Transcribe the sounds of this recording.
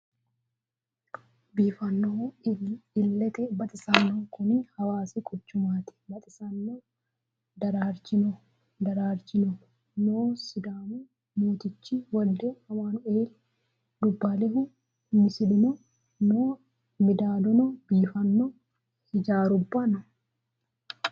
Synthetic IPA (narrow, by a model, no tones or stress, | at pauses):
biːfɐnːoː | ɪlːɛt̪ɛbɐt̪ʼɪsɐnːoːkʊnɪhɐwaːsikʼɔt͡ʃːʊmaːt̪ɪ̥bɐt̪ʼɪsɐnːo | d̪ɐɾaːɾt͡ʃɪno | d̪ɐɾaːɾt͡ʃɪno | noːsɪd̪aːmu | moːt̪ɪt͡ʃːiwɐld̪eɐmaːnʊeːl | d̪ʊbːaːlɛɦʊ | nɪsɪd̪ɪno | noː | mɪd̪aːlɔnobiːfɐnːoː | hɪd͡ʒaːɾʊbːanɔ